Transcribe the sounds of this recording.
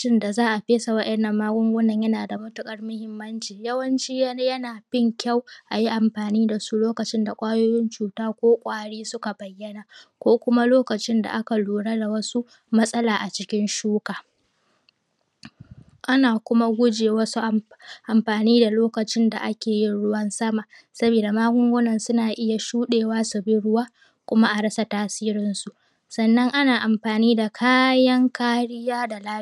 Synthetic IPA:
t͡ʃɪ˦nda˨zaː˦ʔa˨ɸeː˦sa˨wɐ˦ɗʔɛ˨nːɐ˨mːaː˦ɡʷʼʊ˦ŋɡʷʊ˦nːɐ˦˨ɲjɐ˦naː˨da˨mʊ˦tʊ˨kʼɐ˦rmʊ˦hɪ˦mːɐ˦nt͡ʃiː˨jɐ˦wɐ˦nt͡ʃiː˦jɐ˦jɐ˦naː˨bɪ˦˨ŋkʲa˦˨wʔa˨ji˦ʔa˨mɸaː˨niː˦da˨su˦loː˦kɐ˨t͡ʃɪ˦nda˨kʷʼaː˦joː˦jɪ˦nt͡ʃuː˨taː˦kʷoː˦kʷʼaː˦ɽiː˦sʊ˦ka˨bɐ˨jːɐ˦na˨kʷoː˦kʷʊ˦ma˦loː˦kɐ˨t͡ʃɪ˦nda̰˨ʔa˦ka˨luː˨ɽa˦da˨wɐ˦su˦ | mɐ˦sʼɐ˦laː˨ʔa˨t͡ʃɪ˦kʲɪ˦nʃuː˦kaː˨ | ʔa˦naː˨kʷʊ˦ma˦ɡʷʊ˦d͡ʒeː˨wɐ˦su˦ʔ | ʔa˨mɸaː˨niː˦da˨loː˦kɐ˨t͡ʃɪ˦nda˨ʔa˦kʲeː˨jɪ˦ɽʊ˦wɐ˦nsɐ˦maː˨ | sɐ˦biː˨da˨maː˦ɡʷʊ˦ŋɡʷoː˦nɐ˨nsʊ˦naː˨ʔɪ˦ja˨ʃuː˦ɗeː˨waː˦sʊ˨bɪ˦ɽʊ˦waː˦ | kʷʊ˦ma˦ʔa˨ɽɐ˦sa˨taː˦siː˦ɾɪ˦nsu˨ʔ | sɐ˨nːɐ˦ŋʔa˦naː˨ʔa˨mɸaː˨niː˦da˨kʰaː˦jɐ˦ŋkaː˦ɽɪ˦jaː˦da˨laː˦˨

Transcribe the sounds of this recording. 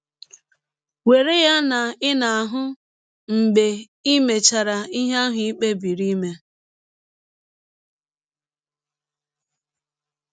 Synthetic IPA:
we˨ɾe˦ja˦na˨ɪ˦na˨a˨ɦʊ˦ | ŋ͡m̩˨ɡ͡be˨ | i˦me˨t͡ʃa˨ɾa˨i˦ɦa˦ɦʊ˦i˦k͡pe˦bi˨ɾi˦me˦

